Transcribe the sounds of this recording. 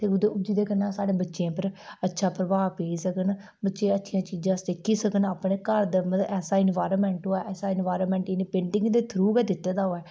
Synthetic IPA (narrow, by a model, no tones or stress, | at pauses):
t̪eːʊd̪eːʊd͡ʒiːd̪eːkənːãːsaːɽeːbətːʃẽːpəɾətːʃʰaːpɾəʋaːpeːisəkən | bətːʃẽːətːʃʰijãːt͡ʃiːd͡ʒãːst̪ekʰːiːsəkənaːpneːkəɾd̪əmət̪ʔɛːsaːɪnʋaːɾəːmɛ̃ːɳʈɦoːaːʔɛːsaːɪnʋaːɾoːmɛ̃ːɳʈɪneːpẽɳʈɪ̃ŋɡd̪eːt̪ʰɾuːkɛːd̪ɪt̪ːeːd̪aːɦoːɛː